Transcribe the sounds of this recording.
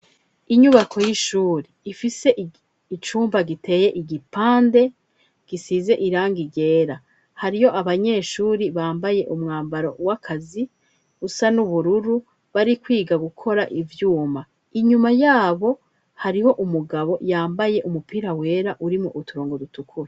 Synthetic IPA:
iɲuβakʰo̞jiʃuːɾiːfise̞ʔ | it͡ʃuːmbaɡite̞ːje̞ʔiɡipaːnde̞ | ɡ̥isize̞ʔiɾaːŋɡiɟe̞ːɾa | haɾijo̞ʔaβaɲe̞ːʃuːɾiβaːmbaje̞ʔumŋaːmbaɾo̞wakʰazi | usanuβuɾuɾu | βaɾikwiːɡaɡukʰo̞ɾaʔivjuːma | iɲumajaːβo̞ | haɾiho̞ʔumuɡaβo̞jaːmbaje̞ʔumupiːɾawe̞ːɾaʔuɾimoʔutuɾoːŋɡo̞dutukʰuɾe

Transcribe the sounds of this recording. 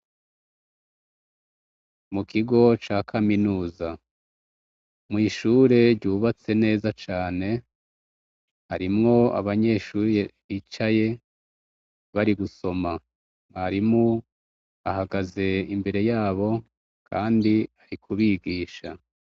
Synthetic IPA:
mukiɡo̞t͡ʃaːkʰaminuːza | mŋiːʃuːɾe̞ɾɟuːβat͡se̞ne̞ːzat͡ʃaːne̞ | haɾimŋo̞a̰βaɲe̞ːʃuːɾeβit͡ʃaje̞ | βaɾiɡuso̞ma | haɾimu | ahaɡaze̞imbe̞ɾe̞jaːβo̞ | kʰaːndiaɾikʰuβiɡiːʃa̰

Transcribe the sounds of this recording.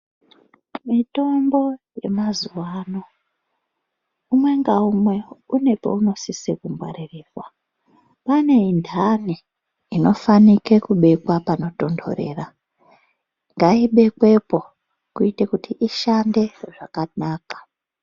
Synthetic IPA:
mito̞mbo̞je̞mazuwaːno̞ | umwe̞ŋɡaumwe̞une̞po̞̰uno̞sisekumbwa̰ɾiriːkwa | pane̞indʰani | ino̞fanike̞kuɓe̞kwapano̞to̞ndo̞̰ɾe̞̰ːra | ŋɡaiɓe̞kwe̞po̞ | kuitekutiʔiʃande̞ʐakanaːkḁ

